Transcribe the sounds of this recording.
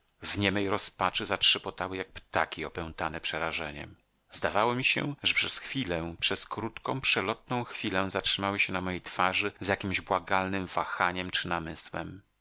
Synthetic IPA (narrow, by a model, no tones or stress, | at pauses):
vɲɛmɛjɾɔspat͡ʂɘzatʂɘpɔt̪awɘjak̚pt̪akʲiɔpɛw̃t̪anɛpʂɛɾaʐɛɲɛ̰m | zd̪avawɔmʲiɕɛ̰ʐɛpʂɛsxfʲilɛpʂɛskɾut̪kɔ̃w̃pʂɛlɔt̪̚nɔ̃w̃xfʲilɛzatʂɘmawɘɕɛnamɔjejt̪faʐɘzjakʲimʑbwaɡalnɘmvaxaɲɛmt͡ʂɘnamɘswɛ̰m